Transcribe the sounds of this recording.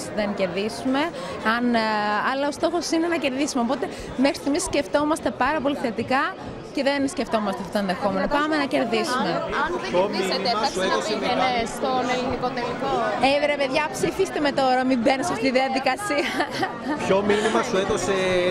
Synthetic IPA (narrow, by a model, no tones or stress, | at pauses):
sðence̞ɾðisume̞ | ɐnɐlɐo̞st̪o̞xo̞sine̞nɐce̞ɾðisumeopo̞t̪e̞ | mexɾi̥simisːce̞ft̪o̞mɐst̪e̞pɐɾɐpo̞liθe̞t̪ikɐ | ce̞ðensceft̪o̞mɐst̪eɐft̪ot̪onðe̞xo̞me̞no̞pɐmenɐce̞ɾðisumenoeeɐsesenest̪onelinikot̪elikoevɾepeðʝɐpsifist̪eme̞t̪o̞ɾɐmimbenesɐft̪it̪iðiɐðikɐsiɐ | pçominimɐsuetose